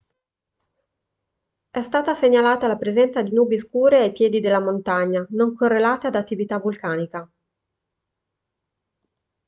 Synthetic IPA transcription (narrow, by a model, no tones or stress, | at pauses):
ɛst̪aːt̪aseɲːalaːt̪alapɾezɛnt̪sad̪inuːbeskuːɾeajpjɛːd̪id̪elːamont̪aɲːanoŋkorːelaːt̪ad̪at̪ːivit̪avulkaːnika